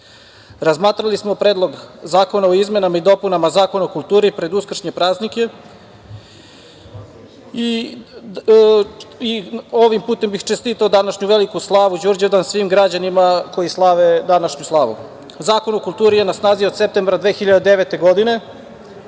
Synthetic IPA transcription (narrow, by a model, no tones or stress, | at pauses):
ɾazmaːt̪ɾalismo̞pɾeːd̪lˠo̞ɡzaːko̞naoizme̞namaid̪o̞punamazaːko̞naokulˠt̪uːɾipɾe̞d̪uskr̩ʃɲepɾaːznike̞ | i | io̞ʋimpuːt̪e̞mbixt͡ʃest̪iːt̪aod̪anaʃɲuʋelikuslˠaːʋud͡ʑuɾd͡ʑed̪ansʋiːmɡɾad͡ʑanimako̞islˠaʋed̪anaʃɲuslˠaːʋṵ | zaːko̞nokulˠt̪uːɾije̞nasnaːziod̪se̞p̚t̪e̞mbɾad̪ʋexiʎad̪ed̪e̞ʋet̪e̞ɡo̞d̪ine̞